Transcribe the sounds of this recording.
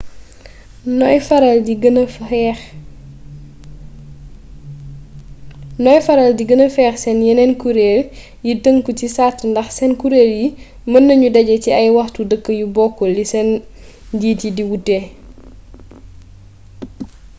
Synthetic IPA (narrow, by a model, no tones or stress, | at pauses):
nɔjfɐɾɐldiɡnx | nɔjfɐɾɐldiɡənɐfɛːxsɛnjɛnɛnkuɾeːl | jitəŋkucisaːtːndɐxsɛnkuɾeːlji | mɐnːɐɲudɐɟɐciɐjwɐxtudəkːəjubɔkːɔlisɛn | ɟiːtidiwutɛ